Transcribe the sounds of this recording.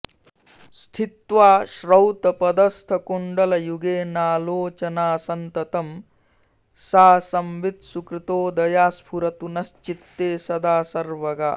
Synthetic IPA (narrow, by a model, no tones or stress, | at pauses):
st̪ʰit̪ʋaːʃɾɐwt̪ɐpɐd̪ɐst̪ʰɐkuɳɖɐlɐjuɡeːnaːloːt͡ʃɐnaːsɐnt̪ɐt̪ɐm | saːsɐmʋit̪sukɾit̪oːd̪ɐjaːspʰuɾɐt̪unɐst͡ʃit̪ːeːsɐd̪aːsɐɾʋɐɡa̰ː